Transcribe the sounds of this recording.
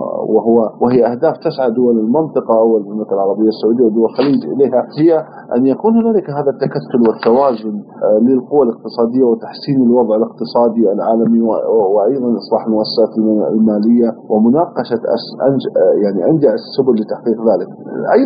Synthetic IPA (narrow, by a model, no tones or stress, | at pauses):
wɪɦʊwːawɪhɪjːʔahd̪aːft̪asʕad̪ʊwalɪlmɪnt̪ˤɨqɑʔawːalmɪnt̪ɨqɑlʕɑɾˤɑbɪjːasːʊʕuːd̪ɪjːawd̪ʊwalxaliːd͡ʒʔɪ̰leːhahɪja | ʔa̰njakuːnhʊnaːlɪkɦaːðat̪ːakat̪ːʊlwɪt̪ːawaːzʊn | lɪlqʊwːalɪq̚t̪ɨsˤɑːd̪ɪjːawɪt̪aħsiːnalwɑðˤʕɪlɪq̚t̪ɨsˤɑːd̪ialʕaːlamiwɪʔajðˤɑnʔɨsˤlɑːħlmʊʔasːsaːt̪l̰lmaːlɪjːawɪmʊnɑːqɑʃaʔa̰sʔa̰njaʕniʔand͡ʒaʕasːʊbʊlːɪt̪aħqiːqðaːlɪkʔaj